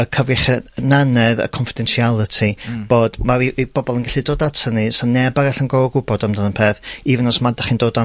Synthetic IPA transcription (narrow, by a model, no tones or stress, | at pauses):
əkʰəvɪχɛnanɛðə̰kʰɔnfidɛnʃialˠətʰib̥oːd̥maviibɔbɔlˠənɡaɬidodatʰənisɔnːɛbaɡɛɬənɡɔɡʊbɔdamdənənpʰeːθivnɔsmadaχiːndoːda